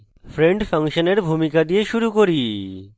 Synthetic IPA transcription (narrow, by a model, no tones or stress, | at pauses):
fʰɾeɳɖfʰaŋʃoneɾbʱumikad̪ijeʃuɾukoɾi